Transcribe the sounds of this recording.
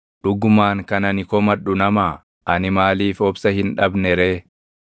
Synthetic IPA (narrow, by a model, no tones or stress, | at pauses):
ᶑʊɡːʊmaːŋkɐnɐnɪkɔmɐᶑʊnɐmaː | ʔɐnɪmaːliːfɔbsɐhɪnᶑɐbnɛɾeː